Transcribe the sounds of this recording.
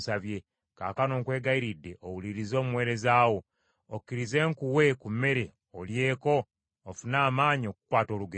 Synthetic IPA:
savje̞ | ka̰ːkano̞ːŋkwe̞ːɡaiɾidːe̞ʔowuliɾizo̞ːmuwe̞ːɾe̞zaːwo̞ | okːiɾize̞ːŋkuwe̞kumːe̞ɾe̞ | olje̞ːko̞ː | funaːmaːɲio̞ku̥kwaːto̞ːluɡe

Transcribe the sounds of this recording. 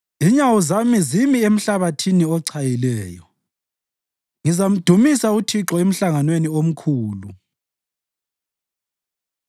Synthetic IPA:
iɲawuzamizimiem̩ɬaβatʰiniɔǀʰajilɛːjɔ | ŋizam̩d̥ʱumisautʰiǁɔem̩ɬaŋanweniom̩kʰuːlu

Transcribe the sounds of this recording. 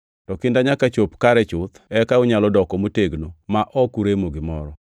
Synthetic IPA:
tɔkɪndaɲakat͡ʃopkaɾɛt͡ʃʊt̪ɛkaʊɲalɔdɔkɔmoteɡnomaʔɔkuɾemoɡɪmɔɾɔ

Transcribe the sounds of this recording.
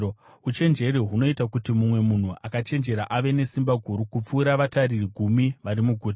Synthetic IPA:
ut͡ʃe̞nd͡ʒe̞ɾiɦuno̞itakutimumwe̞mun̤uʔakat͡ʃe̞nd͡ʒe̞ɾaʔaʋe̞ne̞simbaɡʱuɾukup͡fuːɾaʋataririɡʱumiʋaɾimuɡʱut

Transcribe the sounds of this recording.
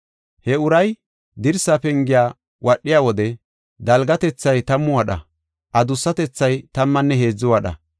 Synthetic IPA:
hɛʊɾɐj | d̪ɪɾsaːpɛŋɡɪjaː | wʔɐɗːɪjaːwɔd̪ɛ | d̪ɐlɡɐt̪ɛt͡sːɐjt̪ɐmːʊwɐɗɐ̰ | ʔɐd̪ʊsːɐt̪ɛt͡sːɐjt̪ɐmːɐnːɛɦe̞ːd͡zːʊwɐɗɐ̰

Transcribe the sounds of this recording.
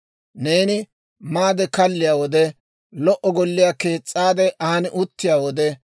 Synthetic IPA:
ne̞ːnɪ | maːd̪ɛkɐlːɪjaːwɔd̪ɛ | lɔʔɔɡɔlːɪjake̞ːt͡sʼːaːd̪ɛʔɐɐnɪʔʊt̪ːɪjaːwɔd̪ɛ

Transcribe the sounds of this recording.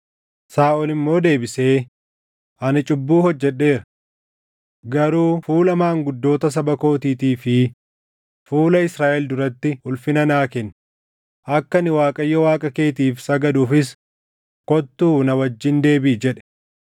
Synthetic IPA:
saːʔɔlɪmːo̞ːd̪e̞ːbɪse̞ː | ʔɐnɪt͡ʃʼʊbːuːhɔd͡ʒːɛᶑe̞ːɾɐ | ɡɐɾuːfuːlɐmaːŋɡʊd̪ːo̞ːt̪ɐs̬ɐbɐko̞ːt̪iːt̪iːfɪ | fuːlɐɪsɾaːʔɛld̪ʊɾɐt̪ːɪʊlfɪnɐnaːkɛn | ʔɐkːɐnɪwaːkʼɐjːɔwaːkʼɐke̞ːt̪iːfsɐɡɐd̪uːfɪs | kɔt̪ːuːnɐwɐd͡ʒːɪnd̪e̞ːbiːd͡ʒɛᶑɛ̥

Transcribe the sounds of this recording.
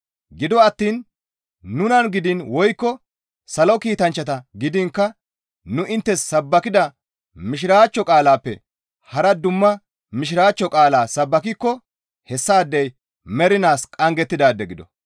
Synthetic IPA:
ɡɪd̪ɔɐt̪ːiːnː | ʊnɐnɡɪd̪ɪnwɔjkːɔ | sɐlɔkiːt̪ɐnt͡ʃːɐt̪ɐɡɪd̪ɪŋkːɐ | nʊʔɪnt̪ːɛsːɐbːɐkɪd̪ɐ | mɪʃ̬ɪɾaːt͡ʃːɔkʼaːlaːpːɛ̰ | hɐɾɐd̪ʊmːɐ | mɪʃɪɾaːt͡ʃːɔkʼaːlaːsɐbːɐkɪkːɔ | hɛsːaːd̪ːɛj | mɛɾɪnaːskʼɐŋɡɛt̪ːɪd̪aːd̪ːɛɡɪd̪ɔ̰

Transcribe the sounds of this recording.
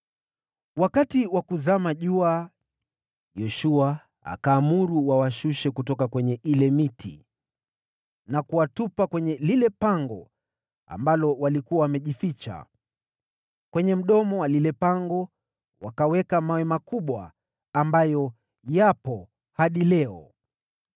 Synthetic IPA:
wakatiwakuzamaʄua | jɛʃua | a̰kaːmuɾuwawaʃuʃɛkutɔkakwɛɲɛʔilɛmitʰḭ | nakuwatupakwɛɲɛlilɛpaŋɡɔ | a̰mbalɔwalikuawamɛʄifit͡ʃa̰ | kwɛɲɛm̩ɗɔmɔwalilɛpaŋɡɔ | wakawɛkamawɛmakuɓwa̰ː | mbajɔ | japɔ | haɗilɛɔ

